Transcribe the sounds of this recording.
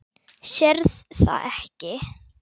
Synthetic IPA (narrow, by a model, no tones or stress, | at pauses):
ʃɛɾðθa̰ðɛhcɪ